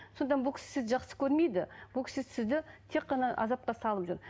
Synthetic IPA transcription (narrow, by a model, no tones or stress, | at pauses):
sonɑnbʊlkʰʲɪ̥sɪ̥sɪzʒɑqsə̥kʲʰɵɾmejd̪ɪb̥ʊlˠkʰʲɪ̥sɪzsɪzd̪ɪt̪ʰe̞qːɑnɑʔɑ̰zɑp̚qɑsɑlˠəpʒʊɾ